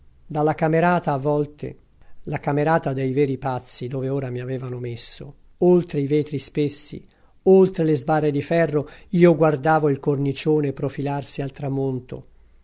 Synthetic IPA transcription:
d̪alːakameɾaːt̪aːvːɔlt̪ḛ | lakameɾaːt̪ad̪ejvɛːɾipat̪sːid̪oːveoːɾamiavɛːvanomesːo | olt̪ɾeiveːt̪ɾispesːḭ | olt̪ɾelezbarːed̪ifɛrːoiːoɡward̪aːvoilkornit͡ʃoːneːpːɾofilarsialt̪ɾamont̪o̰

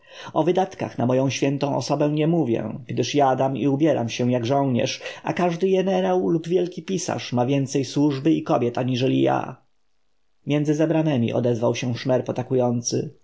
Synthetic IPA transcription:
ɔvɘd̪at̪ka̰xnamɔjɔ̃w̃ɕfʲjɛnt̪ɔ̃w̃ʔɔsɔbɛ̃ɲɛmuvʲjɛ̰ɡ̥d̪ɘʂjad̪amḭubʲjɛɾʔa̰mɕɛw̃jaɡʐɔ̃w̃ɲɛ̰ʂa̰kaʐd̪ɘɡɛnɛɾawlubvʲjɛlkʲipʲisa̰ʂmavʲjɛnt̪sɛjswuʐbɘikɔbʲjɛt̪aɲiʐɛlʲija̰ | mʲjɛnd̪zɘzɛbɾanɛmʲḭʔɔ̰d̪ɛzvawɕɛ̃ʂmɛɾpɔt̪akujɔnt̪sɘ

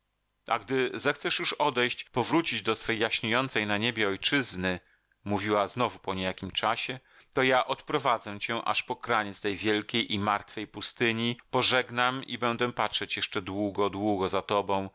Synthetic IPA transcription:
ʔa̰ɡd̪ɘzɛxt̪sɛʂjuʂɔd̪ɛjɕt͡ɕpɔvɾut͡ɕid͡ʑd̪ɔsfɛjːaɕɲejɔnt̪sɛjnaɲebʲjɛɔjt͡ʂɘznɘ | muvʲiwaznɔvupɔɲejakʲimt͡ʂaɕɛ | t̪ɔjaʔɔt̪pɾɔvad̪zɛt͡ɕɛʔa̰ʂpɔkɾaɲitst̪ɛjvʲjɛlkʲejʔimaɾt̪fɛjpust̪ɘɲipɔʐɛɡnamibɛnd̪ɛpatʂɛt͡ɕjɛʂt͡ʂɛd̪wuɡɔd̪wuɡɔzat̪ɔbɔ̃w̃

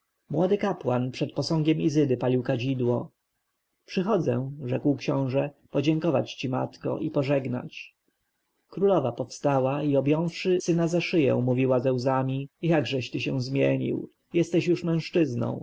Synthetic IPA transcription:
mwɔd̪ɘkapwanpʂɛt̪̚pɔsɔ̃ŋɡʲɛmizɘd̪ɘpalʲiwkad͡ʑid̪wɔ | pʂɘxɔd̪zɛ̰̃ʐɛkwkɕɔ̃w̃ʐɛpɔd͡ʑɛŋkɔva̰t͡ɕt͡ɕima̰t̪kɔ̰ʔipɔʐɛɡna̰t͡ɕ | kɾulɔvapɔfst̪awaiɔbʲjɔ̃w̃fʂɘsɘnazaʂɘjɛ̰̃w̃muvʲiwazɛwzamʲijaɡʐɛɕt̪ɘɕɛ̃w̃zmʲjeɲḭw | jɛst̪ɛɕjuʂmɛ̃w̃ʂt͡ʂɘznɔ̰̃w̃

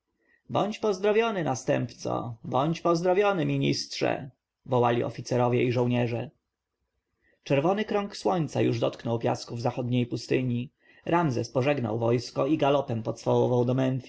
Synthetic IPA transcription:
bɔɲt͡ɕpɔzd̪ɾɔvʲjɔnɘnast̪ɛmpt̪sɔ̰bɔɲt͡ɕpɔzd̪ɾɔvʲjɔnɘmʲiɲḭstʂɛ̰ | vɔwalʲiʔɔ̰fʲit̪sɛɾɔvʲjɛiʐɔ̃wɲɛʐɛ | t͡ʂɛɾvɔnɘkɾɔŋkswɔɲʲt̪sajuʐd̪ɔt̪knɔwpʲja̰skuvzaxɔd̪ɲejpust̪ɘɲi | ɾʔamzɛspɔʐɛɡna̰wvɔjskɔiɡalɔpɛmpɔt̪sfawɔvawd̪ɔmɛnfʲi

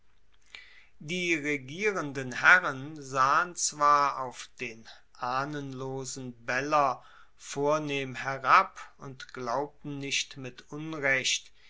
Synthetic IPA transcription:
diːʁeɡiːʁəndənhɛʁənzaːənt͡sv̥aːɐaʊfd̥eːn | ʔaːnənloːzn̩bɛlɐ | foːɐneːmhɛʁapʊntɡ̥laʊp̚tn̩nɪçtmɪtʔʊnʁɛçt

